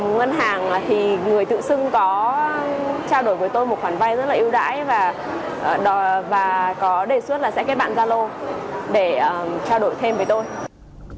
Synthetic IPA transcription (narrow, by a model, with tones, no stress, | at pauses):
ŋə˧nɦaː˨˩ŋ˨˩t̪ʰi˨˩ŋɨ˨˩əjt̪ɨ̰˧˨sɨ˧ŋkɔ˨˦ | t͡ɕaː˧wɗo˧˩jvəː˨˦jt̪o˧jmo˨˩t̚xwaː˧˩nva˧jzə˦˥laː˨˩ʔi˧wɗa̰ː˧˥jvaː˨˩ | ʔɗɔ˨˦vaː˨˩kɔ˨˦ɗe˧˩su˦˥t̚laː˨˩sɛ̰˧˥kaː˦˥ɓa̰ː˧˨zaː˧lo˧ɗe˧˩ə˨˩t͡ɕaː˧wɗo˧˩jt̪ʰe˧mvəː˨˦jt̪o˧j